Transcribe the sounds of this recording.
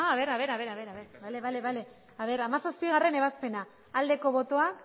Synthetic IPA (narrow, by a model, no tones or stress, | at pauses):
aːβe̞ɾaβe̞ɾaβe̞ɾaβe̞ɾaβeɾβale̞βaleβale̞ | aβe̞ɾamasaspiɣ̞are̞ne̞β̞aspe̞naː | ld̪e̞ko̞βo̞t̪o̞ak